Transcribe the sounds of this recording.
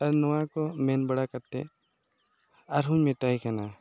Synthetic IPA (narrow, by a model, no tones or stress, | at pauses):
ɐɾnɔwakɔmɛnbəɽakɐɾt̪ɛ̰ | ɐɾɦʊ̃ɲmɛ̃t̪aikʰɛna